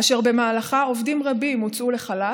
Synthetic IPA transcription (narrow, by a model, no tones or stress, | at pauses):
aʃe̞ʁbe̞maːlaχao̞vdimʁabimːut͡sʔule̞χala